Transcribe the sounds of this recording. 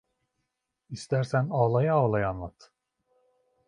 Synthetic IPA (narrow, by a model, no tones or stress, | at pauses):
ist̪ʰæɾsænaːlˠajaaːlˠajanlˠat̪ʰ